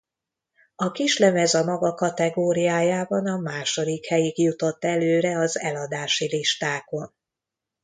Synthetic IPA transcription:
ɒkiʃlɛmɛzɒmɒɡɒkɒt̪ɛɡoːɾijaːjaːbɒnɒmaːʃo̞d̪ikhɛjikjut̪o̞t̪ːɛløːɾɛɒzɛlɒd̪aːʃiliʃt̪aːko̞n

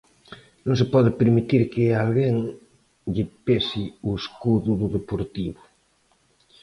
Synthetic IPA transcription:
nõŋs̬epɔðepeɾmit̪iɾkealɣeŋ | ʎepesiueskuðuðuðepoɾt̪iβo

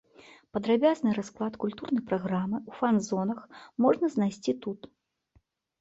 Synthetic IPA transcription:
pɐd̪ɾabʲaznɨɾasklˠat̪kulʲt̪urnɐjpɾaɣɾamɨufanzɔnɐxmɔʐnɐznajsʲt͡sʲit̪ut̪

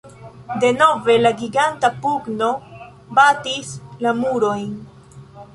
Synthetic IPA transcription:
de̞no̞ve̞laɡiɡantapuɡno̞ | batislamuɾo̞jn

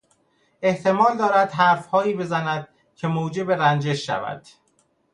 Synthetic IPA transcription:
e̞ht̪e̞mɒːld̪ɒːɾæd̪ɦæɾfhɒːiːbe̞zænæd̪̥̚ | cʰe̞moːd͡ʒe̞be̞ɾænd͡ʒe̞ʃːæ̰væ̰d̪̥

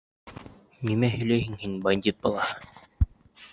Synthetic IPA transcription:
nimæhɵ̆lɛjɦɘŋhinbɐnʲd̪ʲit̪̚bɑlˠɑhɤn

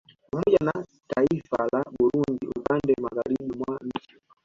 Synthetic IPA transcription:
pamɔʄana | taifalaɓuɾundiṵpandɛmaɣaɾiɓimwam̩t͡ʃi̥

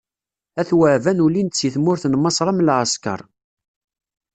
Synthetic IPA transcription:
æθwəʕvænulint̪t͡sːjiθmʊɾθnmːɑsˤɾˤɑmlʕəskə̰ɾˤ

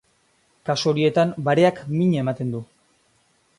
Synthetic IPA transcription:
kaso̞ɾie̞t̪ambaɾe̞akmiɲe̞mat̪e̞nd̪u

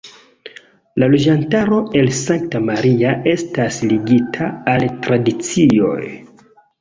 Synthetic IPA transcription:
lalo̞d͡ʒantaɾo̞e̞lsaŋk̚tamaɾiae̞stasliɡitʰaːltɾadit͡sio̞̰j

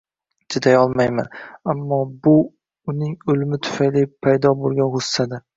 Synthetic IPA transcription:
d͡ʒɪd̪ajɒlˠmajma̰namːɒbʊ | ʊnɪŋʊlmɪt̪ʰʊ̥fajlipʰajd̪ɒbolˠɡʲanhʊsːad̪a

